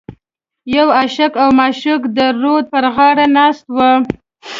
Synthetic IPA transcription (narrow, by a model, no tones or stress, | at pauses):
jawaʃakawmɑʃukd̪əɾod̪̚pəɾɣɑɽanɑst̪wə